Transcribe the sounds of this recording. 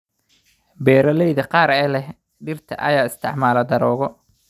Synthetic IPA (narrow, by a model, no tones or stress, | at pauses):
bɛːɾɐlɛjðɐqɑːɾɛːlɛh | ɖɪrt̪ʰɐ̰ʔɐ̰jaːɪst̪ʰɪʕmaːlɐd̪ɐɾɔːɣɔ